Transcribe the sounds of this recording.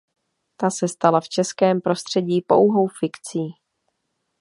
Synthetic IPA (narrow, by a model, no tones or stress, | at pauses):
t̪asɛst̪alaft͡ʃɛskɛːmpɾo̞st̪r̝̥ɛɟiːpo̞̰wɦo̞wfɪkt͡siː